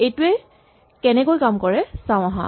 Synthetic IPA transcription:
ejtuɛ | kɛnɛkojkamkɔɹɛsãʊ̃aɦã̰

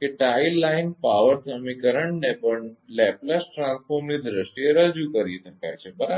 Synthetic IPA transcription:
keʈailːainpaʋəɾd̪ʰʱəmikəɾəɳnepəɳlɛplasʈɾãnsfoɾmnid̪ɾəsʈieɾəd͡ʒukəɾiʃəka̰jt͡ʃʰebəɾa

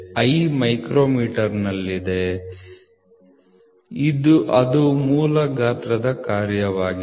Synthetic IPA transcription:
ɐjmɐjkɾoːmiːʈɐɾnɐlːid̪e̞ | id̪uʔɐd̪umuːlɐɡaːt̪ɾɐd̪ɐkaːɾjɐʋaːɡi

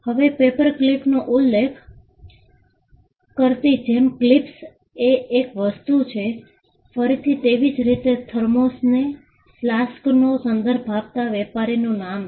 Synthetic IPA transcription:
həʋepepəɾklipnoʔulːekʰ | kəɾt̪id͡ʒemklips | eːkʋəst̪ut͡ʃʰe | fəɾit̪ʰit̪eʋid͡ʒɾit̪et̪ʰəɾmosne | flasknosənd̪əɾbʱab̚t̪aʋɛpaɾinũnam

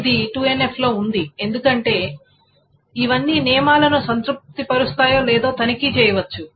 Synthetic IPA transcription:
d̪iʈuːenepʰlo̞ːund̪ie̞nd̪ukɐɳʈe̞ː | iʋɐnːiːnɛːɐmaːlɐnusɐnt̪ɾup̚t̪ipɐɾust̪aːjo̞ːlɛːd̪o̞ːt̪ɐnikit͡ʃɛːjɐʋɐt͡ʃːu

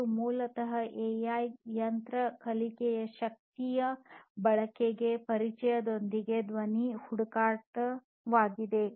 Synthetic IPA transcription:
umuːlɐt̪ɐɦɐʔejaːjjɐnt̪ɾɐkɐlikɛjɐʃɐk̚t̪ijɐbɐɭɐkeɡe̞pɐɾit͡ʃɛjɐd̪ond̪iɡed̪ʋɐnihuɽukaːʈɐ | ʋaːɡid̪e̞

